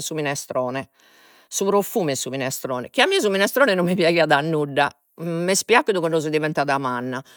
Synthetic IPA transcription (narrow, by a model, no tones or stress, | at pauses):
suminɛst̪ɾɔːnɛ | suβɾofuːmɛsːuminɛst̪ɾɔːnɛk̟iamːiːaz̬uminɛst̪ɾɔːnɛnomːipjaɣiaðanːuɖːa | mːɛspjakːud̪ukɔnɳɖɔzɛd̪ivɛnt̪aðamanːa